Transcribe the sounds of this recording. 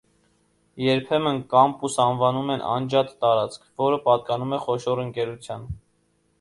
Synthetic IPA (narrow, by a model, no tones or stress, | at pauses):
jɛɾpʰɛmənkɑmpusɑnvɑnumɛnʔɑ̰nd͡ʒɑt̪ːɑɾɑt͡skʰvɔɾəpɑt̪̚kɑnumɛχɔʃɔɾəŋkɛɾut͡sʰjɑn